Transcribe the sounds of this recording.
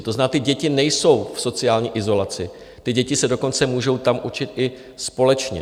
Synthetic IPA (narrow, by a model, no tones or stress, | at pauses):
t̪oznnaːt̪ɪɟɛcɪnɛjso̞wfso̞t͡sɪaːlɲiːʔɪzo̞lat͡sɪ | t̪ɪɟɛcɪsɛdo̞ko̞nt͡sɛmuːʒo̞wt̪amʔut͡ʃɪt̪ʔɪ | spo̞lɛt͡ʃɲɛ̰